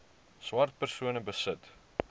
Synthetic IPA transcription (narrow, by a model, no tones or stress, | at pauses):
swɐrt̚pərsuənəbəsət